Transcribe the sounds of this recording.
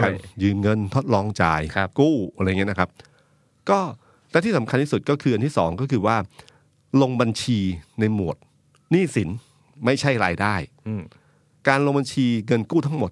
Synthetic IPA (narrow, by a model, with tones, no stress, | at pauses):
kaː˧njɯː˨˧mŋɤ˧nt̪ʰo˦˥t̪̚lɔː˧ŋt͡ɕaː˧jkuː˥˩ɾŋi˦˥˦na˦˥kʰa˦˥p̚ | kɔː˥˩ | lɛ˦˥t̪iː˥˩sa˩˦mkʰa˧nt̪iː˥˩su˨˩t̪̚kɔː˥˩kʰɯː˧ʔa˧t̪ʰiː˥˩sɔː˩˦ŋkɔː˥˩kʰɯː˧waː˥˩ | lo˧ŋba˧nt͡ɕʰiː˧na˧jmu˨˩ət̪̚ | niː˥˩si˩˦n | ma˥˩jt͡ɕʰa˥˩jɾaː˧jdaː˥˩j | kaː˧nlo˧ŋba˧nt͡ɕʰiː˧ŋɤ˧nkuː˥˩t̪ʰa˥˩ŋmo˨˩t̪̚